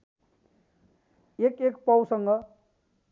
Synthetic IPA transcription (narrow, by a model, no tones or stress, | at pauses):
ekekpʌwsʌŋɡʌ